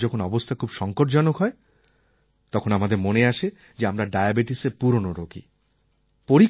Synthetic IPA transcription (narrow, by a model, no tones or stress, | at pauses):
d͡ʑɔkʰonɔbost̪ʰakʰubʃɔŋkoʈd͡ʑɔnokɦɔe | t̪ɔkʰonamad̪eɾmoneaʃe | d͡ʑeamɾaɖajabeʈisepuɾonoɾokʰḭ | poɾi